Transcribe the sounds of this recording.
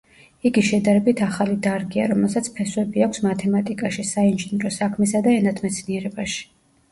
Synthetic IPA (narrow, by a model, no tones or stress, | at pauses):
iɡiʃɛd̪aɾɛbit̪ʰaχalid̪aɾɡia̰ɾɔmɛlˠsat̪sʰpʰɛswɛbiakʷʰsmat̪ʰɛmat̪ʼikʼaʃisainʒinɾɔsakʰmɛsad̪aɛnat̪ʰmɛt̪sʰniɛɾɛbaʃi̥